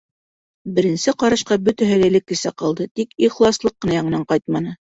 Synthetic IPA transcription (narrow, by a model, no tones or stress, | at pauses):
bɘ̆ɾɘ̆nsɘqɑɾɑ̆ʃqɑbɵ̆t̪æɦælælɘkːɘ̆sæqɑlˠd̪ɤt̪ikiχlˠɑslˠɤqːɤ̆nɑjɑɴɤ̆nɑɴqɑjt̪̚mɑnɤ